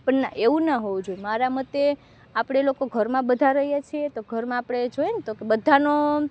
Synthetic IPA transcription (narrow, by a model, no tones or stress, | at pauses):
pəɳna̰ʔeʋũnaɦoũd͡ʒoemaɾamət̪e | apɽ̃elokoɡʱəɾmãbəd̪ʱaɾəɦjat͡ʃʰiet̪oɡʱəɾmãapɽ̃ed͡ʒojnt̪okebəd̪ʱano